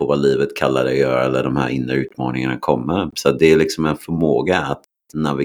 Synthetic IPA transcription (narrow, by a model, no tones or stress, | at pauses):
ɔvaliːvət̪kʰalːaɖ̪ɛjœːɾaɛlːəɖɔmhæ̰ːɾʔɪnd̪ɾəʉ̟ːt̪mɑ̰ːnɪŋanakʰɔmːəɾsɔat̪̚d̪ɛælɪksɔmɛnfœɾmoːɡaːt̪ | navɪ